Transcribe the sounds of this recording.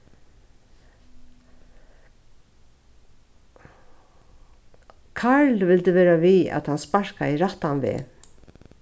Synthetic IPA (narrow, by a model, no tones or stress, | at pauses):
kʰaɹlʋɪlt̪əʋɛːɾaʋiːæ̰t̪hanspaɹ̥kaɪɾat̪anʋɪ̰ː